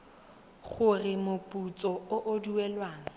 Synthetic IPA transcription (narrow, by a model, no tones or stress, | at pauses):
χʊrɪmʊpʼut͡sʼɔʊʔʊduɛlwaːŋ̩